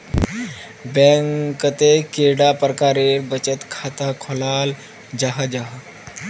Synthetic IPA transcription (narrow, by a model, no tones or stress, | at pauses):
bɛŋkət̪ekeɽapɾəkaɾeɾbət͡ɕət̪kʰat̪akʰɔlal | d͡ʑaɦad͡ʑaɦa